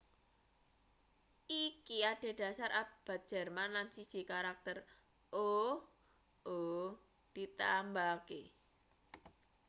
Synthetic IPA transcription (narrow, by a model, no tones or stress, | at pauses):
ʔikiaɖ̥e̤ɖ̥ä̤saɾʔab̥a̤t̪̚d̥ʒ̥ɛ̤rmanlansi̥ʒ̥i̤kaɾak̚t̪ər | ʔo | o | d̪̥i̤t̪ambakḛ